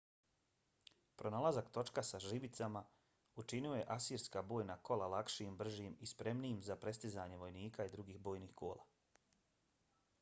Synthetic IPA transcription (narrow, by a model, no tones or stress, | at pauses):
pɾo̞nalˠazakt̪o̞t͡ʃkasaʒibit̪sama | ut͡ʃinioje̞ʔasiːɾskabo̞ːjnako̞lalakʃiimbr̩ʒiːmispɾe̞mniimzapɾe̞st̪izaɲe̞ʋo̞jniːkaid̪ɾuɡiːxbo̞ːjniːxko̞̰ːlˠa̰